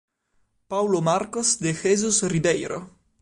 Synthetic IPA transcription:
pawlomaɾkosd̪exezusribɛjɾo̰

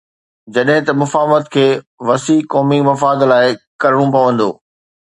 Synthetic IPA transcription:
d͡ʑɐɗɦɪ̃t̪ɐmʊfaːʋət̪kʰeː | ʋɐsiːkɔːmimɐfaːd̪laːɪkɐɾəɽ̃ũpɐʋə̃nd̪o̰ː

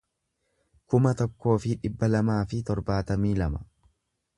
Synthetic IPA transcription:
kʊmɐt̪ɔkːo̞ːfɪᶑɪbːɐlɐmaːfɪt̪ɔɾbaːt̪ɐmiːlɐmɐ̥

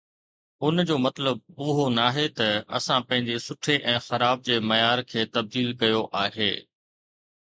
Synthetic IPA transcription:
ʊnd͡ʑoːmɐt̪ləb̚ʊɦonaːɦet̪ɐɐ̰sãpɐ̃ɦɪ̃ɲd͡ʑesʊʈʰeʔɛ̃ːxɐɾaːb̚d͡ʑeːmɐjaːɾkʰeːt̪ɐb̚d̪iːlkɐjoʔaːɦeː

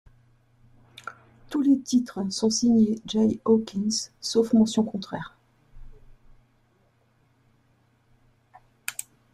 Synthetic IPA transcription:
t̪ulet̪it̪χəsɔ̃siɲeʒajokʲinssofmɑ̃sjɔ̃kɔ̃t̪χɛːʁ

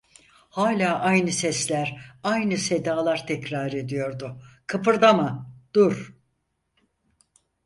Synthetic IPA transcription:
haːlʲaːʔajnɯsɛslʲæɾajnɯse̞d̪aːlˠaɾt̪ʰɛcɾaːɾe̞d̪ijo̞ɾd̪ʊkʰɯpʰɯɾd̪amad̪̥uɾ

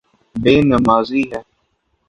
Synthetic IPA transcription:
beːnəmaːziːɦɛː

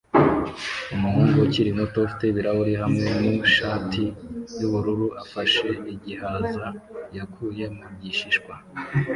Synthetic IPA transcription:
umuhuːŋɡociɾimotofi̥teβiɾahuɾiɦamŋe̞niʃaːtʰijuβuɾuɾuʔafaʃe̞iɟihazajakʰuːje̞mubɟiʃiʃkwa

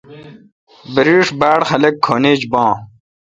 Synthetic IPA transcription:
biɾiːʂbæːɽxɐlekʰːoːniːd͡ʑbɑ̃ː

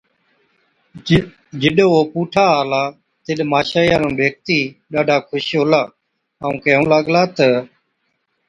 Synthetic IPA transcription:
d͡ʒɪɗooːpuːʈʰaːɦaːlaː | t̪ɪɗmaːʃaːjãːnũːʋeːk̚t̪iːɗaːɖʱaːkʰʊʃoːlaː | aːũːkeːũːləɠlaːt̪ə

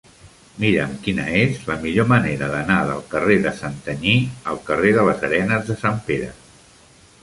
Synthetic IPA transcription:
miɾəmkinə̰ezləmiʎoməneɾəðənaðə̰lˠkəreðəsənt̪əɲiəlˠkəreðələzəɾɛnəzðəsampeɾə

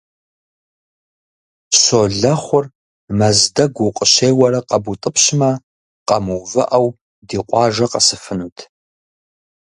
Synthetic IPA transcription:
ɕoːɮɐχʷʊr | mɐzdɐɡʷʊqʼəɕeːwɐɾɐqɐbutʼɨpʰɕmɐ | qɐmuvɐ̰ʔɐw | diːqʷʼɑːʒɐqɐsɨfɨnuːtʰ

